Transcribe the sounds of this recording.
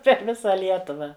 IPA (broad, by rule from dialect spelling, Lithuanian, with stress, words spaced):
pʲɛr ˈʋʲɪsɐ ˈlʲiɛtʊʋɐ